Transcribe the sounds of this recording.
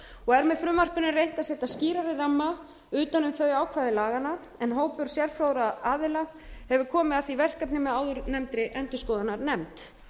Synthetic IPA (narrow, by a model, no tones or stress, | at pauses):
ɔɣɛɾmɛðfɾʏmar̥kʏnɪrejn̥t̪asɛːt̪asciːɾaɾɪramːa | ʏːt̪anʏmθœɥaːwkʰvaːðɪlaːɣana | ɛnɦoːwpʏɾ̥sjɛɾfɾawɾaaːðɪla | hɛvʏkʰɔːmɪðaθivɛr̥kap̪nɪmɛðaːwðʏɾnɛmt̪ɾɪʔɛnt̪ʏskɔːðanaɾnɛmt̪